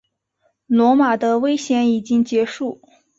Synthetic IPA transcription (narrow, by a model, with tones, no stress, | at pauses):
lwɔ˧˥ma˨˩d̪ə˦we˥ɪɕjɛ˧˥ni˨˩t͡ɕi˥ŋt͡ɕjɛ˧˥ʂu˥˩